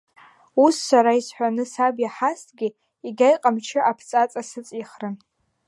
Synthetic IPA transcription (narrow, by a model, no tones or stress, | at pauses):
usːaɾaisħʷanɨsabjaħastʰɡʲi | iɡʲajqʼamt͡ʃʰɪʔapʰt͡sʼat͡sʼasɨt͡sʼiχrɨn